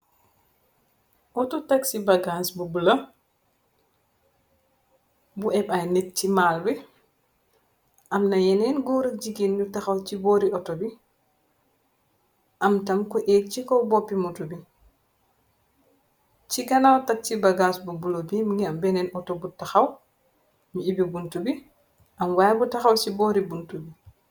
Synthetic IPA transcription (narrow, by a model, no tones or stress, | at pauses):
ʔɔtɔtaksibaɡansbubulɐ | buɛbajnɛt̚t͡ʃimaːlbi | ʔamnɐjɛnɛnɡɔːɾɐd͡ʒiɡinjutaxawt͡ʃibɔːɾiʔɔtobi | ʔamtamkɔʔet͡ʃikɔbɔpːimutubi | t͡ʃiɡanawtat͡ʃːibaɡasbubulobimŋɡɛambɛnɛnɔtɔbutaxaw | ɲuibibuntubi | ʔamwajabutaxawsibɔɾibuntubi